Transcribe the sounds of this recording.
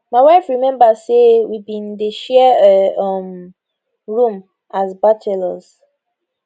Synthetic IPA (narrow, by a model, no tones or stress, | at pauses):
maɪwaɪfɹimɛ̃mbasewibĩn̩deʃɛ | m | ɹũm | azbatʰɛlɔz